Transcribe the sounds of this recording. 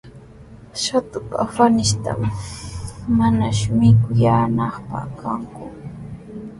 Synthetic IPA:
ʃat̪ʊpafanɪʃt̪a̰mː | anaʃʊmɪkʊjaːnɑχpa̰χkʰaŋkʊ

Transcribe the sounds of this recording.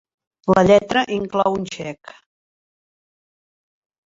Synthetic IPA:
ləʎɛt̪ɾəʔiŋklɔwunʲʃɛk

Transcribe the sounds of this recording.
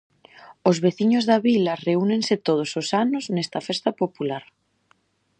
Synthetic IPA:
ozβeθiɲozðaβilɐreunẽŋset̪oð̞ososanʊznɛst̪ɐfest̪ɐpopulaɾ

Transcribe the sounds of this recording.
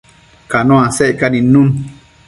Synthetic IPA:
kanõãsɛʔkanĩnũn

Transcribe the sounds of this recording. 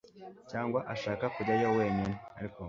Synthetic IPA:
caːŋɡwaʔaʃaːkakuɟajoweːɲinea̰ɾiko

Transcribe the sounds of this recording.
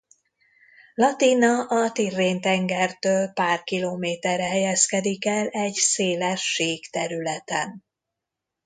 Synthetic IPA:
lɒt̪iːnɒʔɒt̪irːeːnt̪ɛŋɡɛrt̪øːlpaːrkiloːmeːt̪ɛrɛɦɛjɛskɛd̪ikɛlɛɟseːlɛʃːeːkt̪ɛɾylɛt̪ɛn

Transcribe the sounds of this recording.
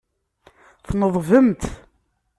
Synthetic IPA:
θnəðˤvəmt̪

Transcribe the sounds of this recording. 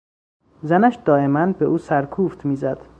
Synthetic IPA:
zænæʃd̪ɒːe̞mænbeʔuːsæɾkʰuːft̪ʰmiːzæd̪̥

